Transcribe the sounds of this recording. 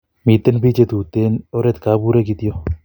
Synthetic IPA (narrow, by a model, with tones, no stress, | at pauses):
mi˨t̪ːe˦npi˦t͡ʃe˦t̪u˨t̪e˦no˦ɾe˦t̪ka˨˦bu˦ɾe˦ki˧t̪ijo˦